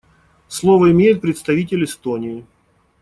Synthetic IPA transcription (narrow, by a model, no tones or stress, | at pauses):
slˠo̞vəɪmʲejɪt̪̚pɾʲɪt̪st̪ɐvʲitʲɪlʲɪst̪onʲɪɪ